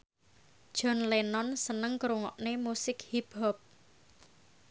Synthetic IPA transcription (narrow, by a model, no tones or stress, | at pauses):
d̥ʒ̥ɔ̤nlenɔnsənəŋkɾuŋɔʔnemusɪk̚hib̥ɔp̚